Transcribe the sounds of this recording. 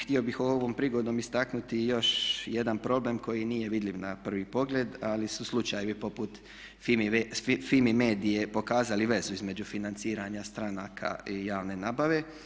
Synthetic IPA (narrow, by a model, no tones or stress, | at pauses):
xt̪io̞bixooʋo̞ːmpɾiɡo̞d̪oːmist̪aknut̪ijo̞ʃjed̪anpɾo̞ble̞ːmko̞jinije̞ʋid̪lʲiʋnapr̩ʋipo̞ɡle̞ːd̪alisuslˠut͡ʃajeʋipo̞put̪ | filmime̞ːd̪ije̞po̞kaːzaliʋe̞zuizme̞d͡ʒufinant̪siːɾaɲast̪ɾanaːkʰa̰ijaːʋne̞naːbaʋe̞